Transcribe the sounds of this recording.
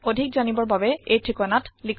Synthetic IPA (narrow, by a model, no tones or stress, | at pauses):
odʱik̚zanibɔɹbabɛejtʰɹikɔnatlikʰ